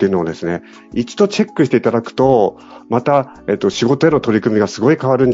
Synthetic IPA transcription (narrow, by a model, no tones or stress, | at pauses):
eiɯ̟no̞ːd̪e̞sɨne̞ | it͡ɕi̥d̪o̞t͡ɕe̞kːɯɕi̥t̪e̞it̪ad̪akɯ̟̥t̪o̞ | mat̪a | e̞t̪ːo̞ɕiɡo̞t̪oe̞no̞t̪o̞ɾʲikɯ̟mʲiɡasɨɡo̞ikaβaɾɯ̟̃nd